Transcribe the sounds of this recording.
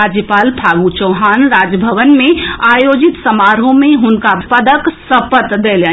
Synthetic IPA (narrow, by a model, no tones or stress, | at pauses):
ad͡ʒjəpalpʰaɡut͡ʃəɦaːnɾad͡ʒəbʱəʋənmẽajod͡ʒit̪səmaɾõmeɦʊnkapəd̪əksəpət̪d̪elə